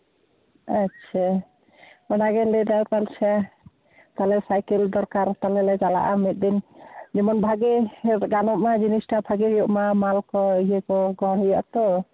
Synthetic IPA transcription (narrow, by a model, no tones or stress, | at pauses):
atːt͡ʃʰa | ɔnaɡɛlɛdaɾt̪alt͡ʃʰa | t̪alɛsajkɛld̪ɔɾkaɾt̪alɛlɛd͡ʒala̰ʔamit̪̚ˀd̪ind͡ʒɛmɔnbʱaɡɛɡanɔʔ̚mad͡ʒinisʈabʱaɡɛjɔʔmamalkɔijekɔɡɔɽɔja̰ʔt̪ɔ